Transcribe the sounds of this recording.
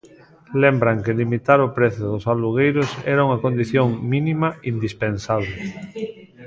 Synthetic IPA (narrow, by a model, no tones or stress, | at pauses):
lembɾaŋkelimit̪aɾʊpɾeθjʊðʊsaluɣ̞ejɾʊsɛɾauŋakond̪iθjoŋmĩnimaind̪ispensaβle